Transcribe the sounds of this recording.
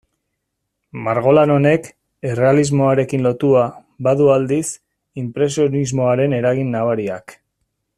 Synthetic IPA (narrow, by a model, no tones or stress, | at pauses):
maɾɣo̞lano̞ne̞k | ere̞alizmo̞aɾe̞kinlo̞t̪ua | βaðuald̪is | impɾe̞sionizmo̞aɾe̞ne̞ɾaɣinːaβaɾiak